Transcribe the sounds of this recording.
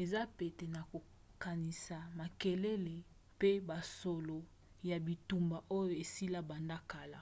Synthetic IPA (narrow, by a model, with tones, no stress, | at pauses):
e˨za˦pe˨te˨na˨ko˨ | ka˨ni˨sa˨ma˨ke˨le˦le˨ | pe˦ba˨so˨lo˨ | ja˨bi˨tu˨mba˨ʔo˦jo˨e˨si˦la˦ba˨nda˦ka˨la̰˨